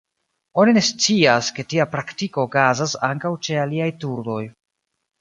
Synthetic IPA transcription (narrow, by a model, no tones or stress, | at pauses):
o̞nine̞st͡siaske̞tiapɾaktiko̞ɡazasa̰ŋkawt͡ʃe̞aliajtuɾdo̞j